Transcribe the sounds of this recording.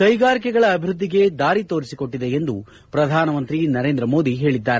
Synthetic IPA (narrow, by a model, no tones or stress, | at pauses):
kɐjɡaːɾikɛɡɐɭɐːbʱiɾud̪ːiɡe̞d̪aːɾit̪oːɾisiko̞ʈːid̪e̞end̪u | pɾɐd̪ʱaːnɐmɐnt̪ɾinɐɾe̞ːnd̪ɾɐmo̞ːd̪iɦe̞ːɭid̪ːaːɾe